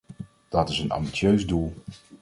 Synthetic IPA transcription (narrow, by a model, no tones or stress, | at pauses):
d̥ɑtɪsənɑ̰mbisjøɥzdulˠ